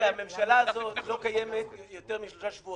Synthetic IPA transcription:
eame̞mʃalaːzo̞t̪lo̞kajemet̪jo̞teʁmiʃlo̞ʃaʃvuo

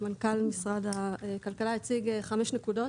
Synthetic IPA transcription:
mankalmisʁad̪akalkalait͡siɡeχameʃnekudo

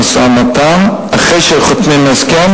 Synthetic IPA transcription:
samat̪am | aχejʃeχot̪nimesken

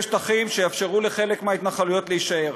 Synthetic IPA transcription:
ʃtaχimʃejafʃe̞ʁuleχe̞lekmeait̪naχalujo̞t̪leiʃaeʁ

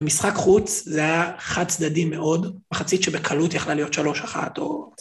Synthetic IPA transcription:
misχakχut͡szeajaχad̪̚t͡sd̪adimːe̞ʔo̞dmaχat͡sit̪ʃebekʰalut̪jaχlalijo̞t̪ʃalo̞ʃaχa̰t̪o̞

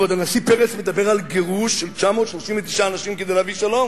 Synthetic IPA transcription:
vad̪anasipeʁet͡smed̪abeʁalɡeʁuʃːelt͡ʃamo̞ːt̪ʃloʃimvet̪i̥ʃaːnaʃimked̪ejlaviʃalo̞m

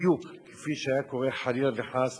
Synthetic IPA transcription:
jukʰe̥fiʃajakoʁeħalilveħas

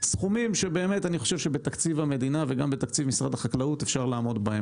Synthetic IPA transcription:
sχumimʃe̞be̞ːme̞taniχo̞ʃe̞vʃe̞be̞t̪akt͡sivame̞d̪inave̞ɡambet̪akt͡sivmisʁadaχaklautefʃaʁlaːmo̞dbahem

